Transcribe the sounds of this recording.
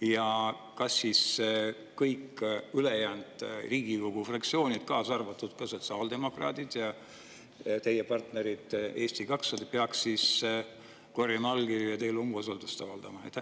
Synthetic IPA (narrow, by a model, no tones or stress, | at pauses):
jɑ | kɑsːiːs | kːɤjkːylejæːnd̪̥riːɡ̥iko̞ɡ̥ufrɑkt̪sio̞ːnʲid̪̥kɑːsɑrvɑt̪ːˑud̪̥kɑsot̪sɑːld̪e̞mo̞krɑ̰ːd̪id̪̥jɑ | t̪e̞jepɑrt̪ne̞ɾid̪̥e̞ːst̪ikɑksɑd̪peɑkssis | ko̞rjɑnɑlɡiɑt̪e̞jlumvosold̪ust̪ɑvɑld̪̥ɑmɑḛt̪ː